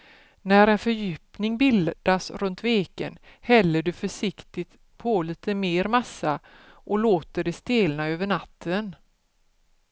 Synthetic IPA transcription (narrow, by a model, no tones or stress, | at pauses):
næɾɛnfœɾjʏ̟ːpnɪŋbɪld̪̥asɾɵnt̪veːkə̰nhɛlːəɖɵfœʂɪkt̪ɪt̪ | pʰɔliːt̪ʰəmeːɾmasa | ʔɔloːt̪əɖɛst̪eːlnaøːvəɳat̪ʰːən